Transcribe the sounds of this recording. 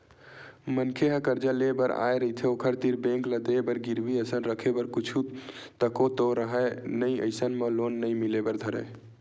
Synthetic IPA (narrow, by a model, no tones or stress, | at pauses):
mənkʰeɦəkəɾd͡ʒalebəɾa̰jɾəɦit̪ʰɛokʰəɾt̪iɾbẽŋkləd̪ebəɾɡiɾbiəsənɾəkʰebəɾkut͡ʃʰut̪əkot̪oɾəɦɛnəjə̰jsənmelonːəjmilebəɾd̪ʱəɾɛ̰